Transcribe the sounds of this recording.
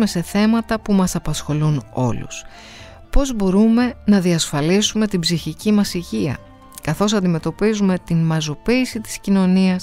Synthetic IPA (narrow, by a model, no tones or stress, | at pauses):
me̞se̞θe̞mɐt̪ɐpumɐsɐpɐsxo̞luno̞̰lṵs | po̞zbo̞ɾume̞nɐðiɐsfɐlisume̞t̪ibziçicimɐsiʝiɐ̰ | kɐθo̞sɐnd̪ime̞t̪o̞pizume̞t̪inmɐzo̞piːsit̪i̥scino̞niɐs